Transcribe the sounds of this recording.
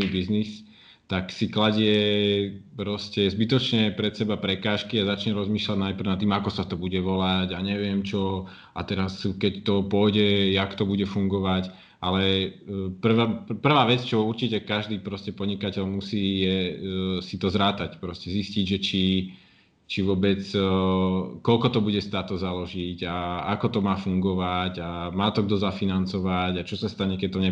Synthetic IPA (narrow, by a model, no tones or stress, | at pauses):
ibiznis | t̪aksiklaɟɪɛ | pɾɔscɛzbit̪ɔt͡ʃɲɛpɾɛt̪sɛbapɾɛkaːʃkiazat͡ʃɲɛɾɔzmiːʃlaɟnajp̩nat̪ːiːmakɔsat̪ɔbuɟɛʋɔlaɟaɲɛʋɪɛmt͡ʃɔ | at̪ɛɾaskɛct̪ɔpʊɔjɟɛjakt̪ɔbuɟɛfuŋɡɔʋac | ʔalɛ | pr̩ʋapr̩ʋaːʋɛt͡st͡ʃɔuɾt͡ʃicɛkaʒd̪iːpɾɔscɛpɔdɲikacɛʎmusiːjɛsit̪ɔzɾaːt̪acpɾɔscɛzisciɟʒɛt͡ʃi | t͡ʃiʋʊɔbɛt͡s | kɔlkɔt̪ɔbuɟɛst̪aːt̪ɔzalɔʒiɟaakɔt̪ɔmaːfuŋɡɔʋacamaːt̪ɔɡd̪ɔzafinant͡sɔʋacat͡ʃɔsast̪aɲɛkɛc̚t̪ɔɲɛ